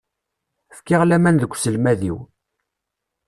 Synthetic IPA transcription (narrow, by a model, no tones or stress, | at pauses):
fkiʁlæmænðəkʷːsəlmæðḭw